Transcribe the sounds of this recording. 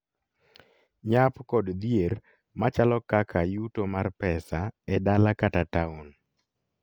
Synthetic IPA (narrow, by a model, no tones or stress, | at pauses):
ɲapkɔdd̪jer | mat͡ʃalɔkakʰajutomarpɛsaɛdalakatataon